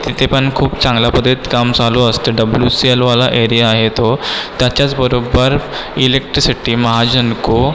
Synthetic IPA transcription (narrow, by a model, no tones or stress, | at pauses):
t̪it̪ʰepənkʰuːpt͡sãŋɡlapəd̪ʱet̪kamd͡zaloəst̪eɖəbljusielʋalaʔeɾijaːɦet̪ot̪jat͡ɕjat͡sbəɾobəɾilek̚ʈɾisiʈiːməɦad͡ʑənko